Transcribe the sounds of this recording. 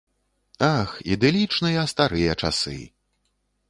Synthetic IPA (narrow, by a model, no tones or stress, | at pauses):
axḭd̪ɛlʲit͡ʂnɨjɐst̪aɾɨjɐt͡ʂa̰sɨ̰